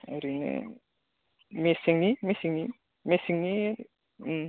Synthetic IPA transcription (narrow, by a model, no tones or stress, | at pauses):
ɐɾinɯ̰ | mesiŋnimesiŋni | mesiŋni